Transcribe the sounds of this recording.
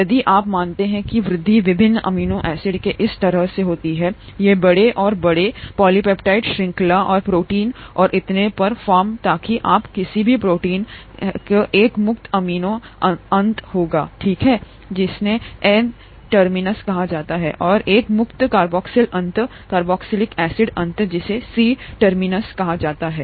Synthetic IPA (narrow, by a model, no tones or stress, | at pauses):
jɐd̪iʔaːpmaːnt̪eɦɛ̃kiʋɾɪd̪ʱːiʋɪbʱɪnːʔɐ̰miːnõʔɛːsɪɖkeʔɪst̪ɐɾəɦseɦoːt̪iɦɛː | jebɐɽeʔɔːɾbɐɽepɔːlipɛːpʈaːɪʈʃɾɪ̃ŋklaʔɔːɾpɾoːʈiːnɔːɾʔɪt̪nepɐɾfaːɾmt̪aːkiʔaːpkɪsibʱipɾoːʈiːnkeʔeːkmʊkt̪ɐmiːnõɐ̃nt̪ɦoːɡaːʈʰiːkɦɛː | d͡ʒɪsneɛn | ʈəɾmɪnəskɐɦad͡ʒaːt̪aɦɛ̰ːʔɔːɾeːkmʊkt̪kaːɾbɔːksɪlɐ̃nt̪ | kaːɾbɔːksɪlɪkɛːsɪɖɐ̃nt̪d͡ʒɪsesiːʈɐɾmɪnəskɐɦad͡ʒaːt̪aɦɛ̰ː